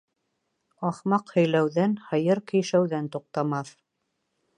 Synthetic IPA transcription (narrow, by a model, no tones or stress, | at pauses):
ɑχmɑqhɵ̆jlæwðænhɤ̆jɤɾkĭjʃæwðænt̪uq̚t̪ɑmɑθ